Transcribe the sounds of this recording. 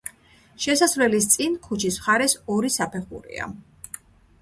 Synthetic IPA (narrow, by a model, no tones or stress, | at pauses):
ʃɛsasvlɛlist̪sʼinkʰut͡ʃʰismχaɾɛsɔɾisapʰɛχṵɾḭa̰